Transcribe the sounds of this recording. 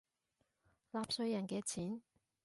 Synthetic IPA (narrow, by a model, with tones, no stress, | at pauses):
laː˨˧p̚sɵ˧jɐ˨˩nkɛː˧t͡sʰiː˨˥n